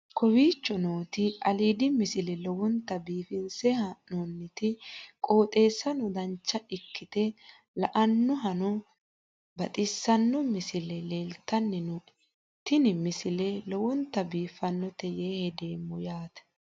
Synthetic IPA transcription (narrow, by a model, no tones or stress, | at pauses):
kʰɔwiːt͡ʃːɔnoːt̪ɪɐliːd̪ɪmɪsɪlɛlɔwɔnt̪ːɐbiːfɪnsɛhɐnonːɪt̪ɪkʼo̞ːt̪ʼe̞ːsːɐnɔd̪ɐnt͡ʃːɐʔɪkːɪt̪ɛ | lɐʔɐnːɔɦɐnɔ | bɐt̪ʼɪsːɐnːɔmɪsɪlɛleːlt̪ːɐnːɛnʊ | t̪ɪnɪmɪsɪlɛlɔwɔnt̪ːɐbiːfɐnːɔt̪ɛjeːhɛd̪e̞ːmːɔjaːt̪ɐ̥